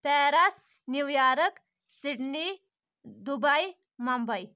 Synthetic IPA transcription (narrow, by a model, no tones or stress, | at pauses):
pɛːɾas | niʋjaːɾək | siɽɳi | d̪ubaj | mɐmbɐj